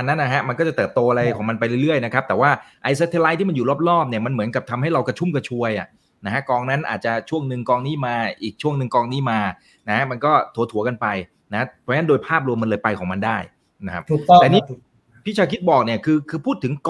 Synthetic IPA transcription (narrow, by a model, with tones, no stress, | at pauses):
a˧nːa˦˥nːa˥˩ɦa˦˥ma˧nkɔː˥˩t͡ɕa˨˩t̪ɤː˨˩p̚t̪oː˧ʔa˧ɾa˧jkʰɔː˩˦ma˧npa˧jɾɯ˥˩jɾɯ˥˩əjna˦˥kʰa˦˥p̚t̪ɛː˨˩waː˥˩ʔa˧jsa˧˦˥t̪ʰːla˦˥jt̪ʰiː˥˩ma˧nju˨˩lɔː˥˩p̚ɾɔː˥˩p̚ni˥˩ɐma˧nmɯ˩˦nka˨˩p̚t̪ʰa˧mha˥˩jɾa˧wka˧t͡ɕʰu˥˩mka˧t͡ɕʰu˧əjʔa̰˨˩ʔ | na˦kʰa˦˥kɔː˧ŋna˦˥nʔaː˨˩t͡ɕa˨˩t͡ɕʰu˥˩əŋnɯ˧ŋkɔː˧ŋniː˦˥maː˧ʔiː˨˩k̚t͡ɕʰu˥˩əŋnɯ˧ŋkɔː˧ŋniː˦˥maː˧ | na˦˥kʰa˦˥ma˧nkɔː˥˩t̪ʰu˩˦t̪ʰu˩˦ɐka˧npa˧j | na˦˥a˦˥pʰɔ˧˥˦n˦˥ndoː˧jpʰaː˥˩p̬̚ɾu˧əmːa˧nlɤː˧jpa˧jkʰɔː˩˦ŋma˧ndaː˥˩j | na˦˥kʰa˦˥p̚tɛː˨˩niː˥˩ | pʰi˥˩t͡ɕʰaː˧kʰi˦˥t̪̚bɔː˨˩k̚ni˥˩əkʰɯː˧kʰɯː˧pʰuː˥˩t̪ʰːɯ˩˦ŋk